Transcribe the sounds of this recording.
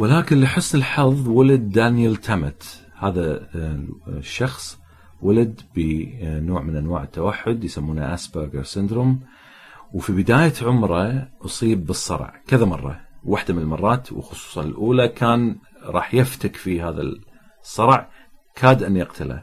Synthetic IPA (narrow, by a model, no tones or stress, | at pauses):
wɪlaːkɪnliħɪsnɪlħɑðˤwalad̪ːanjalt̪ʰamat̪ | haːða | ʃːɑxsˤ | walad̪bənoːʕmɪnʔanwaːʕɪt̪ːawaħːʊd̪jsamːuːna̰ʔaːsbəɾɡə̰ɾsɪnd̪ɾum | wfibɪd̪aːjaʕʊmɾˤɑʔʊsˤiːbːɨsˤːɑ̰ɾ̰ˤʕkɪðamɑrˤːɑ̰waħd̪amɪnlmɑrˤːɑːt̪w̰xʊsˤu̥ːsˤɑnɪ̰lʔuːlakʰaːn | ɾˤɑ̰ːħjɪft̪akfihaːða̰ | sˤːɑɾˤʕkʰaːd̪ʔɪnːjɪqt̪ʰala̰